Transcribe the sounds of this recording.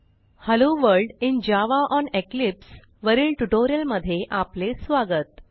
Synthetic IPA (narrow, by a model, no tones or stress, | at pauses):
həloʋəɾɖind͡ʑaʋaʔɔneklips | ʋəɾiːlʈuʈoɾijəlməd̪ʱːjeʔaplesʋaɡət̪̚